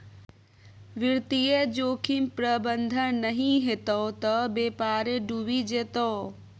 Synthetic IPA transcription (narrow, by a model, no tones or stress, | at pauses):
ʋɪɾt̪ijed͡ʒoːkʰimpɾəbənd̪ʱənnəɦĩɦet̪ot̪əbeːpaːɾeɖubid͡ʒeːt̪oː